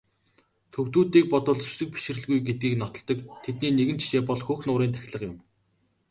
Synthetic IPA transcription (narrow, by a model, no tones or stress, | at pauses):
t̪ʰɵwt̪uːt̪iːk̚pɔt̪ɞ̆ːɮt͡ɕɵsɘ̆k̚pi̥ʃɪ̆rɘ̆ɮɣujɡet̪̚ɡiːknɔt̪ɞ̆ɮt̪ːɞ̆kt̪ʰet̪niːneɣɘ̆nt͡ɕʃeːpɔɮxuːxnʊːɾiːnt̪ʰæ̥xʲɪ̆ɮə̆qjʊ̆m